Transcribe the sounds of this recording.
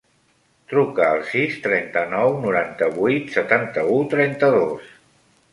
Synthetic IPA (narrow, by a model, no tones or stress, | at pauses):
t̪ɾukəːlˠsist̪ɾɛnt̪ənɔwnuɾant̪əβujt̪sət̪ant̪əut̪ɾɛnt̪əðos